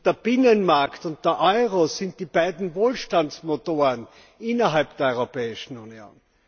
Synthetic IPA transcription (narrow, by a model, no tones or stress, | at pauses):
d̥eːɐb̥ɪnənmaɐktʊnt̚d̥eɐʔɔʏʁosɪnt̚d̥iːb̥aɪdn̩voːlʃtant͡smotoːʁən | ʔɪnɐɦalp̚d̥eɐɔʏʁopɛːɪʃn̩unjo̰ːn